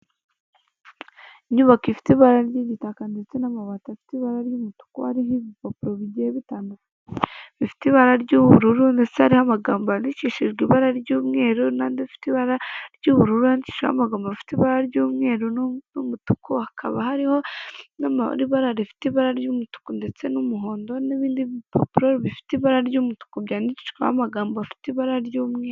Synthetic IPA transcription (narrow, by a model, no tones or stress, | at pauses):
iɲuβakifi̥tiβaɾaɾɟiɲitakandit͡senamaβatafi̥tiβaɾaɾjuːmutu̥kuhaɾiɦiβipapuɾoβiɟeβitaːndak | βifi̥tiβaɾaɾɟuːβuɾuɾundet͡shaɾihoamaɡaːmbaniciʃiʒɡiβaɾaɾɟuːmŋe̞ːɾonaːndeifi̥tiβaɾaɾɟuːβuɾuɾuanici̥ʃkoa̰maɡaːmboβfi̥tiβaɾaɾɟuːmŋe̞ːɾunnumutukohakʰaβahaɾiho̞nam̰ɾiβaɾaɾifi̥tiβaɾaɾɟuːmutu̥konde̞t͡se̞numuɦoːndo̞neβiːndipo̰piɾoɾiβifi̥tiβaɾaɾɟuːmutu̥kubɟaːnici̥ʃkoa̰maɡaːmboafi̥tiβaɾaɾɟuːmŋeː